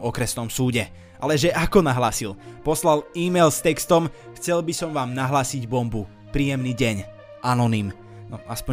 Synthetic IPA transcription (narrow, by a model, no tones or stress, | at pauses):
ɔkɾɛsnɔmsuːɟɛ | ʔalɛʒɛʔakɔnaɦlaːsilpɔslaliːmɛjlst̪ɛkst̪ɔm | xt͡sɛlbisɔmʋaːmnaɦlaːsiɟbɔmbu | pɾiːjɛmniːɟɛɲ | ʔanɔnim | nɔaspɔ